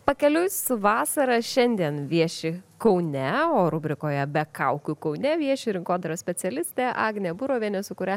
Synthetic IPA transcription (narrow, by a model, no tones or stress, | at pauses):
pɐkʲɛlʲʊsʋɑːsɐɾɐʃʲɛnʲd̪ʲiɛnʋʲiɛʃʲɪkɐʊnʲɛoːɾʊbʲɾʲɪkoːjɛbʲɛkɐʊkʲʊkɐʊnʲɛʋʲiɛʃʲɪɾʲɪŋkoːd̪ɐɾɐsʲpʲɛsʲɛlʲɪsʲt̪ʲeːʔɑːɡnʲebuɾoːʋʲiɛnʲɛsʊkʊɾʲɛ